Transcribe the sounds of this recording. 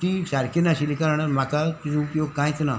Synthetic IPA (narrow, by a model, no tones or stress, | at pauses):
t̪isaɾkʰenaɕilikaɾaɽaɾm̤akat̪ud͡zũupjoɡ̚kãj̃t͡sna